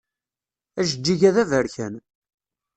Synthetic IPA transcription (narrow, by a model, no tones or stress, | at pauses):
æʒəd͡ʒːiʝæðævəɾçæn